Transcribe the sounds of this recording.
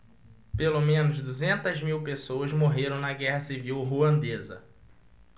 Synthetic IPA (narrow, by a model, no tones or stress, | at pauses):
pelomẽnʊzd̪uzẽnt̪ɐzmiwpesoɐzmoɦeɾɐ̃w̃nɐɡɛɦɐsiviwɦuɐ̃nd̪ezɐ̰